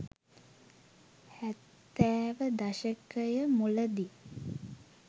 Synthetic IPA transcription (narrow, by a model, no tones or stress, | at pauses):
hæt̪ːæːʋəd̪aʃəkəjəmuləd̪i